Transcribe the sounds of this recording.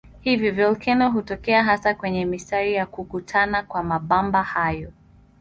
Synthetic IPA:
hivjɔvɛlkʰɛnɔɦutɔkɛaɦasakwɛɲɛmistaɾijakukutʰanakwamaɓambahajɔ

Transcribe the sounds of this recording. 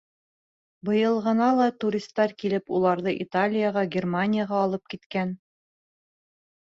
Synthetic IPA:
bɤ̆jɤ̆lˠʁɤ̆nɑlˠɑt̪uɾʲist̪ːɑɾkilɘpulˠɑɾðɤʔit̪alʲɪjəʁɑɡʲermanʲɪjəʁɑːlˠɤp̚kit̪kæn

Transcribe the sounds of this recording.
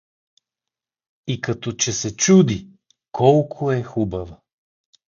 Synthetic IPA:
ikɐt̪ɔt͡ʃɛsɛt͡ʃud̪i | kʰɔlˠkʰoɛxubɐvə

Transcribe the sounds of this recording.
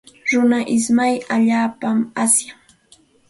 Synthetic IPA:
ɾʊnaʔɪsmajaʎaːpamasjaŋ

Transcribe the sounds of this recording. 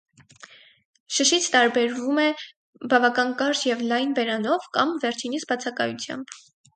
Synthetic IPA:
ʃəʃit͡sʰt̪ɑɾbɛɾvumɛ | bɑvɑkɑnkɑɾt͡ʃjɛvlɑjnbɛɾɑnɔvkɑmvɛɾt͡ʃʰinit͡sʰbɑt͡sʰɑkɑ̰jut͡sʰjɑ̰mb

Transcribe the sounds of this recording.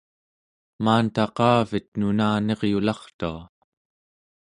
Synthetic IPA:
maːnt̪ɑqɑːvit̪nunaːne̞ʁjulɑχt̪ua̰

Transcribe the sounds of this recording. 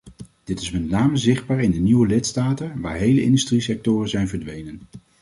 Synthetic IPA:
d̥ɪtɪsmɛtnaːməzɪχd̚baːɹɪndəniʋəlɪtstaːtənʋa̰ːɹɦejləʔɪ̰ndystrisɛk̚tʊːrəzɛjnvəɹdʋejnən

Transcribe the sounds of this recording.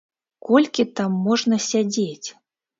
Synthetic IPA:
kɔlʲkʲit̪amːɔʐnɐsʲad͡zʲet͡sʲ

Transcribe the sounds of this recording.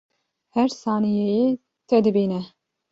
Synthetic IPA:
hɛɾsaːnijeje | t̪ʰɛd̪ɨbiːnɛ

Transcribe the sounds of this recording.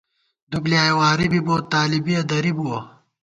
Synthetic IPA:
d̪ublijaːjwaːɾibiboːt̪ːaːlibiɐd̪ɐɾibuwo

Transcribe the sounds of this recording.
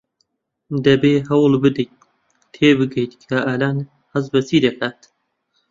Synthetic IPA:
d̪ɐbeːɦɐwlbɨd̪ɨ | t̪ʰeːbɨɡejt̪kʰaʔaːlaːn | hɐzbɐsiːd̪ɐkʰaːt̪

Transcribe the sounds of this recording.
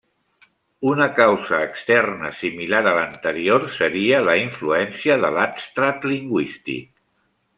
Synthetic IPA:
unəkawzəːkst̪ɛrnə̰similaɾələnt̪əɾioɾsəɾiələiɱfluɛnsiəðə̰lapst̪ɾat̪liŋɡwist̪ḭk̚

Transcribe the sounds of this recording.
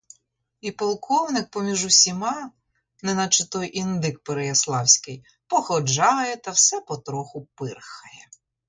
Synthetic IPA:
ipɔlˠkʰɔwnɪk̚pɔmʲiʒʊsʲimɑ | nɛnɐt͡ʃɪt̪ɔjʔind̪ɪk̚peɾejɐslˠɑwsʲkɪj | pɔxɔd͡ʒɑjɛt̪ɐwsɛpɔt̪ɾɔxʊpɪrxɐjɛ

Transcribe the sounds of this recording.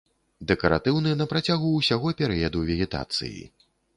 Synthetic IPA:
d̪ɛkɐɾa̰t̪ɨwnɨjɐnɐpɾat͡sʲaɣuːsʲaɣɔpʲɛɾɛjɐd̪uvʲɛɣʲɛt̪a̰t̪sɨ̰jḭ

